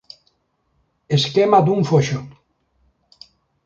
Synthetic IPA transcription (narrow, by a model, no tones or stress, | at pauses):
eskemad̪uɱfoʃo